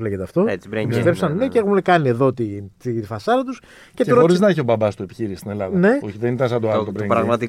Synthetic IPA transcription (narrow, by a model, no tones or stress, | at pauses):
leʝet̪eɐft̪o̞et͡si̥bɾesvepsɐnneceexumekɐnieðo̞t̪it̪ifɐsɐɾɐt̪us | ceteɾoo̞ɾizznɐeçio̞bɐbɐst̪ue̞pi̥çiɾist̪inelɐðne̞oçiðenit̪ɐns̬ɐnd̪oɐlt̪obɾeɾɐɣmɐt̪i